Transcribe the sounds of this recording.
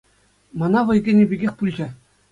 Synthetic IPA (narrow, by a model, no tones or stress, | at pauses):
mɑnɑʋɤ̆jɡʲenʲebʲiɡʲexʲpulʲd͡ʑe